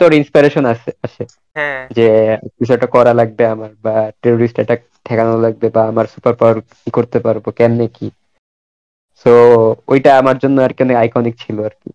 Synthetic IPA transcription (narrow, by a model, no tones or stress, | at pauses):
t̪ooɾinspajɾeʃonat͡ɕʰeaʃʰe | d͡ʑekit͡ɕʰɔeʈakɔɾalaɡ̚beamaɾbaʈeɾoɾisʈɛʈa | t̪ʰɛkanolaɡ̚bebaamaɾsupaɾpawaɾkikoɾt̪epaɾbokɛnːeki | soojʈaamaɾd͡ʑonːoaɾkɛneajkɔnikt͡ɕʰiloaɾkḭ